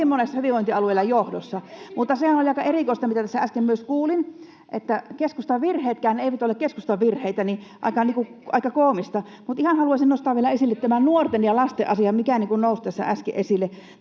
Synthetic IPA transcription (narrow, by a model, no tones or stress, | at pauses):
imːonesːɑhyʋiʋoint̪iɑlueilɑjohdosːɑmut̪ːɑsehænolʲɑikɑʔerikoist̪ɑmit̪æt̪æsːææskemmyøskuːlin | ʔet̪ːækeskust̪ɑʋʋirheːt̪kæːneˑiʋæt̪olːekeskust̪ɑʋʋirheit̪æniʔɑ̰ikːɑnikuɑˑikːɑkoːmist̪ɑ | mut̪ihɑnhɑluɑsinost̪ɑʋielæesilːet̪t̪æmænnuort̪enjɑlɑst̪ḛʔɑsiɑmikænikunnoˑust̪æsːæ̰ʔæskḛʔesilːe